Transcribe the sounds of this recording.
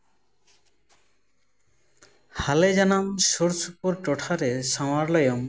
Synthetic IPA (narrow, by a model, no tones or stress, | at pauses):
haled͡ʑanamʃoɾsupoɾʈɔʈʰaɾeʃamaɾlɔjom